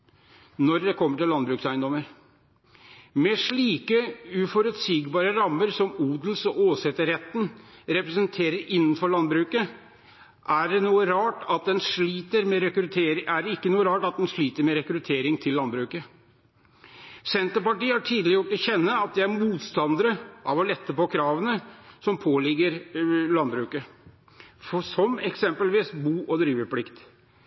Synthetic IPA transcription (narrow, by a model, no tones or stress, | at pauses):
nɔɾd̪ɛkʰɔmːəʈɪlːɑnbɾʉːksæɪənd̪ɔməɾ | mɛʂɭiːkəʉfɔɾʉt̪siːɡbɑːɾəɾɑmːəɾsɔmuːd̪l̩sɔʔoːsɛt̪əɾɛt̪ːnɾɛpɾɛsənt̪ʰeːɾəɾʔɪnːn̩fɔɭɑnbɾʉːkə | ʔæɖɛnuːəɾɑːʈɑt̪̚d̪ɛnʂɭiːt̪əɾmɛɾɛkɾʉt̪ʰeːɾɪʔæɖɛɪkːənuːəɾɑːʈɑt̪̚d̪ɛnʂɭiːt̪əɾmɛɾɛkɾʉt̪ʰeːɾɪŋt̪ʰɪlːɑnbɾʉːkə | sɛnt̪əɾpɑʈiːhɑʈʰiːd̪lɪjʊʈːɔçɛnːəɑt̪̚d̪ɛæɾmuːt̪st̪ɑnd̪əɾəʔɑʋɔlɛt̪ːəpɔkʰɾɑːʋənəsɔmpʰoːlɪɡəɾlɑnbɾʉːkə | fɔsɔmɛksɛmpəlʋiːsbuːʔɔd̪ɾiːʋəpʰlɪkt̪